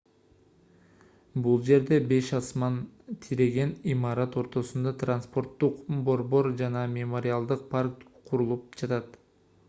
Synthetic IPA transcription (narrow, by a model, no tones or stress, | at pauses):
bulˠd͡ʒe̞ɾd̪e̞be̞ʃɑsmɑnt̪ʰiɾe̞ɡe̞nimɑɾɑt̪o̞ɾt̪o̞sund̪ɑt̪ranspo̞ɾt̪ːuqbo̞ɾbo̞ɾd͡ʒɑnɑmʲemoɾʲɪalˠd̪ɯq̚pʰark̚t̪qʰuɾulˠup̚d͡ʒɑt̪ɑt̪